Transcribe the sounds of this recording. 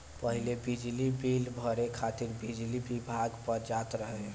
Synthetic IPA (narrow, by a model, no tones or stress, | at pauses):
pəɦilebid͡ʒlibilbʱəɾekʰat̪iɾbid͡ʒlibibʱaɡpəɾd͡ʒat̪ɾəɦe